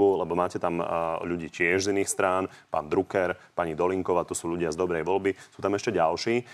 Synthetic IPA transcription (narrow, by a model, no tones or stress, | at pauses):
ulɛbɔmaːcɛt̪amʎuɟiːcɪɛʒziniːxst̪ɾaːnpa̰ːnd̪ɾukɛɾpaɲid̪ɔliŋkɔʊaːt̪ɔsuːʎuɟɪazd̪ɔbɾɛjʋɔlbisuːt̪amɛʃcɛɟalʃiː